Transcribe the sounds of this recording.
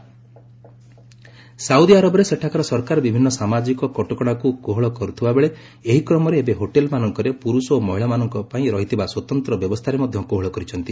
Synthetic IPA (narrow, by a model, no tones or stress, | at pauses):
saud̪iaɾɔbɔɾeseʈʰakaɾɔsɔɾkaɾɔbibʱinːɔsamad͡ʒikɔkɔʈɔkɔɽ̃akukoɦɔɭɔkɔɾut̪ʰibabeɭe | eɦikɾɔmɔɾeːbeɦoʈelmanɔŋkɔɾepuɾusɔomɔɦiɭamanɔŋkɔpaĩɾɔɦit̪ʰibaswɔt̪ɔnt̪ɾɔbjɔbɔst̪ʰaɾemɔd̪ʱjɔkoɦɔɭɔkɔɾit͡ʃʰɔnt̪i